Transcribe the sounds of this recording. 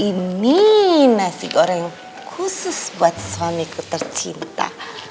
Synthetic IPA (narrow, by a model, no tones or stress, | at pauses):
iminasikɔɾɛŋ | kʰusəspat͡sswamikʊt̪ə̆rt͡sʰint̪a̰